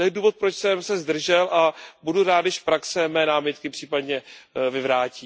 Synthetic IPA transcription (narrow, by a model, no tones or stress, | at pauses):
t̪ojɛduːvo̞t̪̚pɾot͡ʃsɛmsɛzd̪r̩ʒɛlʔabuduɾaːt̪djɪʃfpɾaksɛmɛːnaːmɪt̪kɪpr̥iːpad̪ɲɛvɪvɾaːciː